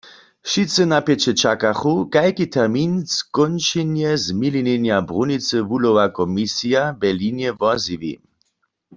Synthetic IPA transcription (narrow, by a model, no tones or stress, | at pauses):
ʃit͡sənapjɛt͡ʃɛt͡ʃakaxukajkit̪ʰɛʁminskɔnʃɛnjɛzmilinɛnjabʁunit͡səʋulowakɔmisijabɛlinjɛvɔziʋḭ